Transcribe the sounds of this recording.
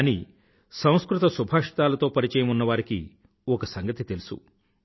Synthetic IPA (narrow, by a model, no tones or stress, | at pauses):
ɐniː | sɐ̃w̃skɾut̪ɐsubʱaːʂɐ̥t̪aːlɐt̪o̞ːpɐɾit͡ʃɛːjɐmunːɐʋaːɾiki | ɔkɐsɐŋɡɐt̪it̪e̞lusṵ